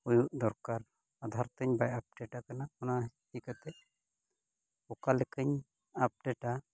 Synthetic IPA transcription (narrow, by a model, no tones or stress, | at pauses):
ujuʔd̪ɔɾkaɾ | ad̪ʱaɾt̪əɲbajap̚ɖɛʈakanaɔnaɦ | ikat̪ɛ | ɔkalɛkəɲ | ap̚ɖɛʈa